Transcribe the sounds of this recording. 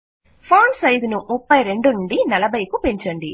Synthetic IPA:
pʰaːnsɐjd̪unumupːɐjɾe̞ɳɖuɳɖinɐlɐbʱɐjkupeɲt͡ʃɐɳɖi

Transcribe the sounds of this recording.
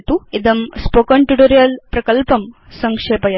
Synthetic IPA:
t̪uid̪ɐmspoːkɐɳʈuʈoɾijɐlpɾɐkɐlpɐm | sɐŋkʂeːpɐjɐ

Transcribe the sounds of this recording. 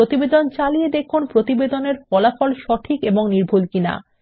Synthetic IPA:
ot̪ibed̪ont͡ɕalijed̪ekʰunpɾot̪ibed̪oneɾfɔlafɔlʃɔʈʰikeboŋniɾbʱulkina̰

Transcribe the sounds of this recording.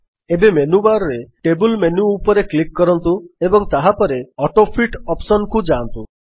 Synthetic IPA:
ebemenubaɾɔɾeʈebulmenuːpɔɾeklikːɔɾɔnt̪uebɔŋt̪aɦapɔɾeɔʈopʰiʈɔpsɔnkud͡ʒant̪u

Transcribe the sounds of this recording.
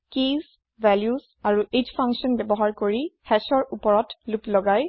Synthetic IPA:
kiz | vɛljuz | aɹuʔed͡ʒpʰaŋksiɔnbɛbɔɦaɹkoɹihɛsɔɹupɔɹɔtluplɔɡaj

